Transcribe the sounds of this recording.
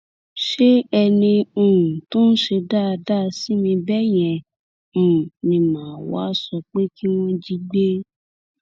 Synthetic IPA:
ʃe˦ɛ˧nĩ˧ũ˨tõ˦n̩˦ʃe˧da˦˨˧da˦˧si˦mĩ˧bɛ˦j̃ɛ̃˨ | nĩ˨mãː˨wa̰˦sɔ˧k͡pe˦ki˦w̃ɔ̃˦d͡ʒi˦ɡ͡be˦

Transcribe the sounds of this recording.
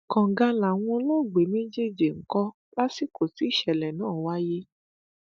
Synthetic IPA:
kɔ̃˨ŋ˨ɡa˧la˨w̃ɔ̃˧˦lo˦˨ɡ͡be˨mĩ˦d͡ʒe˦˨d͡ʒi˨ŋ̩˨kɔ˧˦ | la˦si˦ko˨ti˨˦i˦˨ʃɛ˨lɛ˨nãː˦˨wa˦je˦

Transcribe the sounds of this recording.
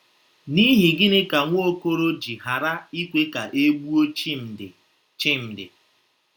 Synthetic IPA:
ni˦ɦɪ˨ɡɪ˦nɪ˦ka˨ŋʷ˦o˦o˦ko˦ɾo˦d͡ʒi˨ɦa˨ɾa˦i˦kʷe˦ka˨ʔe˦ɡ͡bu˦o˦t͡ʃm̩˨ɪ˨ | t͡ʃɪ˦m̩˨dɪ̰˨

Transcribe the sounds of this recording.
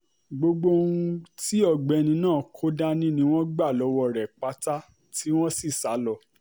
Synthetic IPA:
ɡ͡bo˧ɡ͡bo˦ũ˧ti˦ɔ˦˨ɡ͡bɛ˨˧nĩ˧nãː˦˨kʰo˦da˦nĩ˦nĩ˦w̃ɔ̃˦ɡ͡ba˦˨lɔ˨˧˦wɔ˦˨ɾɛ˨k͡pa˧ta˦ | ti˦w̃ɔ̃˦si˦˨sa˨˦lɔ˦˨

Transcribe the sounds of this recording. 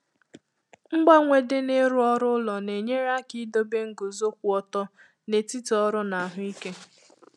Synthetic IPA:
ŋ͡m̩˦ɡ͡ba˦ŋʷe˨dɪ˦nɪ˦ɾʊ˦ɔ˦ɾʊ˦lɔ˨ne˨ɲe˦ɾa˦ki˦do˦be˦ŋ̩˦ɡo˨zo˦k̚ʷu˦ɔ˦tɔ˦ | ne˨ti˦tɔ˦ɾʊ˦na˨ɦʊ˦i˦ke˦

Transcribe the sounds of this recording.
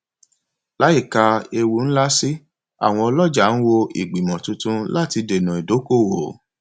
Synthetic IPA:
la˨˦i˦˨ka˧e˧wu˨˦n̩˦la˦si˦ | a̰˦˨w̃ɔ̃˧ɔ˧lɔ˦˨d͡ʒa˨˦n̩˦wo˧ḭ˨ɡ͡bi˨mɔ̃˨tũ˧tũ˧la˦˨ti˧de˨nũ˨i˨do˨˦ko˦˨wo˨

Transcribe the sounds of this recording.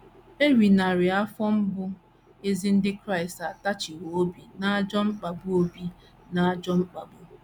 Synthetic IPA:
e˦ɾi˨na˨ɾɪ˨a˦fɔ˦m̩˦bʊ˦ | e˦zi˦n̩˦dɪ˦kɾa˦˨ɪ˨sta˨ta˦t͡ʃɪ˨wo˨o˦bi˨na˦a˦d͡ʒɔ˦ŋ͡m̩˦k͡pa˨bʊ˦o˦bi˦ | na˦a˦d͡ʒɔ˦ŋ͡m̩˦k͡pa˨bʊ˦

